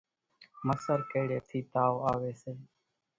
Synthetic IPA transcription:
məsəɾkəːɽeːt̪ʰiːt̪aːoːaːʋeːseː

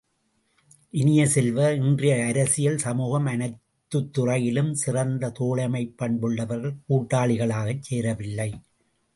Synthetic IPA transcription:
ʔɪnɪjɐsɛlʋɐɪndrɪjɐːɾɐsɪjɐlsɐmuːɣɐmɐnɐɪt̪ːɯt̪ːʊrɐjɪlɯmsɪrɐnd̪ɐt̪oːɭɐmɐɪpːɐɳbɯɭːɐʋɐɾɣɐɭkuːʈːaːɭɪɣɐɭaːɣɐt͡ʃːeːɾɐʋɪlːɐɪ

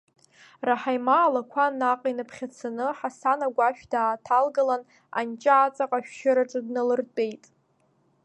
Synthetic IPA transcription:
raħajmaːlakʷʰanːaqʼinɨpʰχʲat͡sʰanɨħasanaɡʷaʃᶣdaːtʰalɡalan | a̰nt͡ʃʼaat͡sʼaqʼaʃᶣʃɪɾaʈ͡ʂʼadnalɨrtʼe̞jtʼ

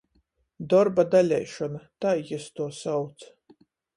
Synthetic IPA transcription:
d̪ɔɾbad̪alʲɛjʃɔnat̪aːjɛst̪uɔsawt̪s

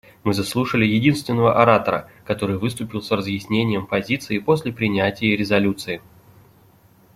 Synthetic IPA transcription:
mɨzɐslˠuʂəlʲɪjɪdʲinst̪vʲɪnːəvəʔɐɾat̪əɾə̰kɐt̪o̞ɾɨjvɨs̬t̪ʊpʲɪlˠsrəzjɪsʲnʲenʲɪjəmpɐzʲit̪sɨɪpo̞sʲlʲɪpɾʲɪnʲætʲɪjəɾʲɪzɐlʲut̪sɨɪ

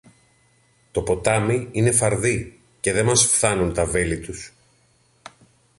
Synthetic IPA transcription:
t̪o̞po̞t̪ɐmiine̞fɐɾði | ce̞ðe̞mɐsfθɐnunt̪ɐve̞lit̪us

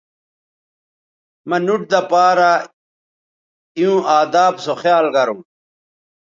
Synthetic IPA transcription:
mɐnuʈ̚d̪ɐpaːɾa | iũːʔaːd̪aːbsoxjaːlɡɐɾũː

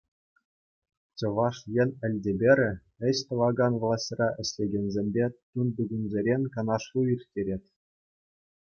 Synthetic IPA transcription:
t͡ɕɤ̆ʋɑʂjɘ̆nʲɘ̆lʲdʲebʲeɾʲɘ̆ | ɘ̆ɕt̪ɤ̆ʋɑɡɑnʋlˠɑsʲtʲrɑʔɘ̆ɕʲlʲeɡʲenʲzʲemʲbʲet̪und̪uɡʲunʲzʲeɾʲenʲkɑnɑʂlˠuirʲtʲeɾʲetʲ

